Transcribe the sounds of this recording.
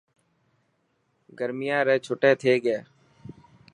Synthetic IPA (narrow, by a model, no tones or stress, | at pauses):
ɡəɾmɪjãːɾɛːt͡ʃʰoːʈeːt̪ʰeːɡeː